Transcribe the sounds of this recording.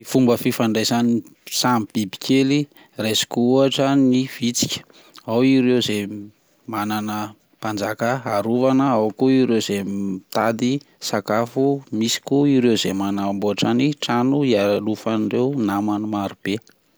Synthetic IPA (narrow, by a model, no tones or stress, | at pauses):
ifumbəfifaɳɖ͡ʐajzani | samb̥ibi̥kʲʰeli | resi̥kuuaʈ͡ʂaniv̥it͡si̥kʲə̥ | awiɾewze | mananə | pand͡zakəaɾuvanəawkuiɾewz̥emit̪ad̪i | sakafumisi̥kuiɾewzemanamboaʈ͡ʂaniʈ͡ʂanuialufanrewnamanumaɾub̥e